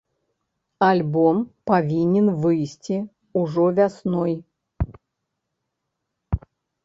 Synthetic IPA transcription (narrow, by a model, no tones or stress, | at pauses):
ɐlʲbompɐvʲinʲɪnvɨsʲtʲi | ʊʐɔvʲasnoj